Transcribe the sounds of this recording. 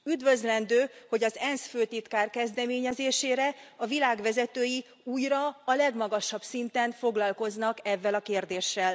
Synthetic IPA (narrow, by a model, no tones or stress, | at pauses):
yd̪vø̞zlɛnd̪øːho̞ɟɒzɛnsføːt̪it̪kaːrkɛzd̪ɛmeːɲɛzeːʃeːɾɛɒvilaːɡʋɛzɛt̪øːji | uːjrɒːlɛɡmɒɡɒʃɒbsint̪ɛɱfo̞ɡlɒlko̞znɒkɛvːɛlɒkeːrd̪eːʃːɛl